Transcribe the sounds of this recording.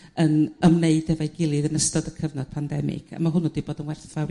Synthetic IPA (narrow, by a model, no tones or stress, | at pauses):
ənəmneɨd̥ɛvajɡɪlˠɨðənəstɔdəkʰəvnɔd̥̚pʰandɛmɪ̰ɡ̥a̰maɦʊnʊdiboːdənwɛrθa